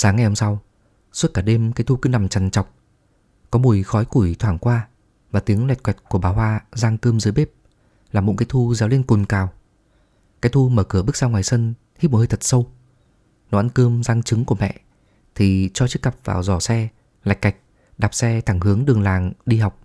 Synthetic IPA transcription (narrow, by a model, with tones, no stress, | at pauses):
saː˨˦ŋːa˨˩jho˧msa˧w | su˦˥t̚kaː˧˩ɗe˧mkaː˨˦jt̪ʰu˧kɨ˧na˨˩mt͡ɕa˨˩nt͡ɕɔ˨˩wk͡p̚ | kɔ˨˦mu˨˩əjxɔ˨˦jku˧˩jt̪ʰwaː˧˩ŋkwaː˧ | vaː˨˩t̪i˨˦əŋlɛ˨˩t̚kwɛ˨˩t̚ku˧˩əɓaː˨˩whwaː˧zaː˧ŋkəː˧mzɨ˨˦jɓe˦˥p̚ | laː˨˩mo̰˧˥ŋkaː˨˦jt̪ʰu˧zaː˨˦wli˧nku˨˩nkaː˨˩w | kaː˨˦jt̪ʰu˧məː˧˩kɨ˧˩əɓɨ˦˥k̚zaː˧wŋwaː˨˩jsə˧n | hi˦˥m̚˨˩hə˧jt̪ʰə˨˩t̚sə˧w | nɔ˧˩˨ʔa˧nkə˧mzaː˧ŋt͡ɕɨ˨˦ŋku˧˩əmɛ̰˧˨ʔ | t̪ʰi˨˩t͡ɕɔ˧t͡ɕɨ˦˥kːa˨˩p̚va̰ː˨˩wzɔ˧˩sɛ˧ | la̰˨˩jk̟̚ːa˨˩jk̟̚ | ɗaː˨˩p̚sɛ˧t̪ʰa˧˩ŋɦɨ˨˦əŋɗɨ˨˩əŋlaː˨˩ŋɗi˧ha˨˩wk͡p̚